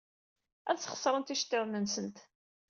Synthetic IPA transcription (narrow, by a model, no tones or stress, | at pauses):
æðt͡sːχə̥sˤɾˤənt̪iʃt̪ːɪðˤnənsənt̪